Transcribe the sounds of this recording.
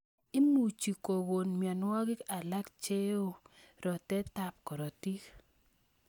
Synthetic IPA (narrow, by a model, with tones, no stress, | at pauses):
i˦mu˨t͡ʃi˨ko˨ɡo˨nmja˨nwɔ˦ɡɪ˦ka˨la˦kt͡ʃe˦o˦ɾɔ˨tɛ˦ta˨p̚kɔ˨ɾɔ˨ti˦k